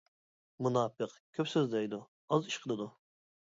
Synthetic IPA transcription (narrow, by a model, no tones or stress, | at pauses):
munɑːpɨqkʲʰøpsøzd̪ɛjd̪u | ɑziʃqʰəlˠɨd̪u